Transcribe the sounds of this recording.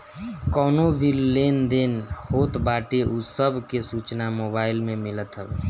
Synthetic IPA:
kɔːnobʱileːnd̪eːnhoːt̪baːʈeʔusəbʱkesuːt͡ʃnamoːbaːɪlmẽmɪlət̪ɦɛb

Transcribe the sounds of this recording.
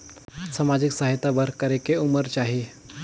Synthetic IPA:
samad͡ʑiksaɦit̪abəɾkəɾekeuməɾt͡ʃaɦi

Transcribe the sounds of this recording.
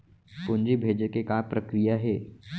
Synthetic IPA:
pʊnd͡ʒibʱeːd͡ʒkekaːpɾɐkɾijaɦɛː

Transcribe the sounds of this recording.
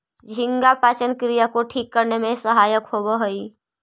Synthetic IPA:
d͡ʒʱɪ̃ŋɡapaːt͡ʃənkɾijakoʈʰiːkːəɾnemẽsəɦaːjəkɦobəɦoi

